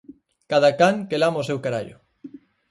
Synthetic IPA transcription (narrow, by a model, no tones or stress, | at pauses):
kaðakaŋkelamosewkaɾa̰ʎʊ